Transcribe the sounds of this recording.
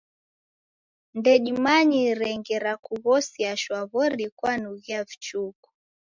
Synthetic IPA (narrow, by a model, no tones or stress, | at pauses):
ndɛɗimaɲiɾɛŋɡɛɾakuɣɔsiaʃwaβɔɾikwanuɣiavit͡ʃuku̥